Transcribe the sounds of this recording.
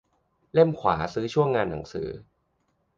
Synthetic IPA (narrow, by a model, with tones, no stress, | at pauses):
le˥˩mkʰwa̰ː˩˦sɯː˦˥t͡ɕʰu˥˩əŋːaː˧nːa˩˦ŋsɯ̰ː˩˦